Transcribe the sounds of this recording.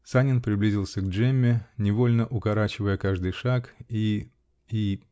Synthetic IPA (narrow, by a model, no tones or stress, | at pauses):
sanʲɪnpɾʲɪblʲizʲɪlˠsʲəɡ̚ʐɛmʲːɪnʲɪvo̞lʲnəʔʊkɐɾat͡ɕɪvəjəkaʐd̪ɨjʂaki | i